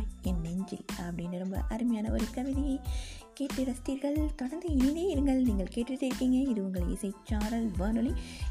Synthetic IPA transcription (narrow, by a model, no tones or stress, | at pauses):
ɛnːɛɲd͡ʒɪ̰lɐpːɐɽɪnɯɾɔmbɐ̰ʔɐɾɯmɐjaːnɐɔɾɯkɐʋɪðɐjɐɪ | keːʈrɯɾɐst̪iɾɣɐɭt̪ɔɽɐɾnd̪ɯɪnɐɪjðeːɪɾɯŋɡɐɭniːŋɡɐɭkeːʈːɪʈ̪ːɪɾɯkːiːŋɡɐɪðɯʊŋɡɐɭɪ̰sɐɪt͡ʃːaːɾɐlʋaːnɯli